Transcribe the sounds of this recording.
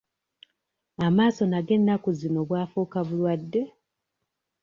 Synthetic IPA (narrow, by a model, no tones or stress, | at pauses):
amaːso̞naɡe̞nːakuzino̞βwaːfuːkaβulwadːe̞